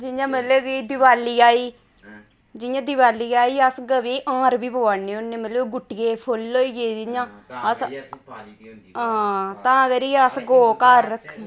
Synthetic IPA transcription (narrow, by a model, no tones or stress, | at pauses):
d͡ʒɪjãːmət̪leːɡiːd̪ɪʋaːliːaːiː | d͡ʒɪjãːd̪ɪʋaːliːaːiːəsɡəʋiːʔãːɾbiːboːaːneːonːeːmət̪leɡʊʈɡeːpʰʊloːiːɡeːd͡ʒɪɲãːəs | ãːt̪ãːkəɾiːəsɡoːkaːɾːəkʰ